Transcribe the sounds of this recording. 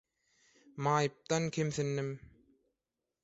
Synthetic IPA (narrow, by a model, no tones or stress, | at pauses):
mɑːjɯp̚t̪ɑnkʰʲemθinːim